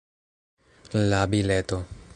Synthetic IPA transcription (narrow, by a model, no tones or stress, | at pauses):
labilɛt̪o